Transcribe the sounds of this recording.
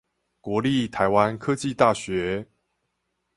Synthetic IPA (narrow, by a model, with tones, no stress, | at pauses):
kwɔ˧˦li˥˨t̪ʰa˧˦ɪwa˦nkʰɤ˦t͡ɕi˥˨t̪a˥˨ɕɥɛ˨˦